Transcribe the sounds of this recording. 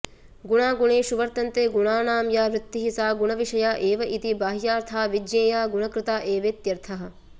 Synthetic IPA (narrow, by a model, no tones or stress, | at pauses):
ɡuɳaːɡuɳeːʃuʋɐɾt̪ɐnt̪eːɡuɳaːnaːmjaːʋɾɪt̪ːiɦisaːɡuɳɐʋiʂɐjaːʔeːʋɐʔit̪ibaːɦjaːɾt̪ʰaːʋid͡ʒjeːjaːɡuɳɐkɾɪt̪aːʔeːʋeːt̪jɐɾt̪ʰɐɦɐ̆